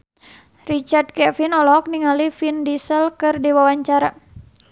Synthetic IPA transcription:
rit͡ʃard̚kɛfinɔlɔɦɔk̚niŋalifindisəlkɨrdiwawaɲt͡ʃaɾa

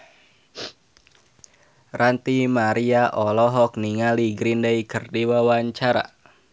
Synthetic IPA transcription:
rant̪imaɾiaʔɔlɔɦɔk̚niŋaliɡɾindəikərdiwawaɲt͡ʃaɾa̰

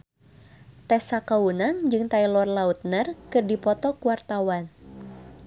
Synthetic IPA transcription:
t̪ɛsakaunaŋd͡ʒɨŋt̪ailɔrlaut̪̚nərkɨrdipɔt̪ɔkuwart̪awan

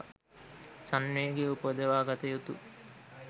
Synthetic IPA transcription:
sanːejɡeupəd̪əʋaːɡat̪əjut̪u

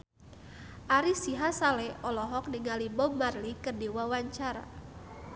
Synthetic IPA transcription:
ʔaɾisiɦasalɛʔɔlɔɦɔk̚niŋalibɔmarlikərdiwawaɲt͡ʃaɾa̰

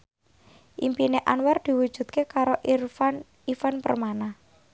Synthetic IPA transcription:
ʔimpineʔanward̪̥i̤wud̥ʒ̥ṳt̪̚kekaɾoʔrfan | ifanpə̰rmanah

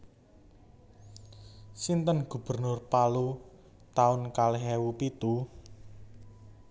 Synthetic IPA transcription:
sint̪ənɡ̥ṳb̥ərnʊrpalu | t̪aʊnkaleɦɛwupit̪u

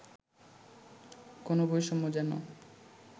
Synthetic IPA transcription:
konobojʃɔmod͡ʑano̰

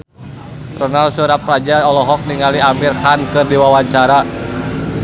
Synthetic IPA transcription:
rɔnalsuɾap̚rad͡ʒaɔlɔɦɔk̚niŋaliamirhankɨrdiwawaɲt͡ʃaɾa

